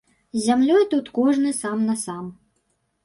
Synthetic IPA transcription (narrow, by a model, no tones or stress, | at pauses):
zʲamlʲɔjt̪ut̪kɔʐnɨsamnɐsam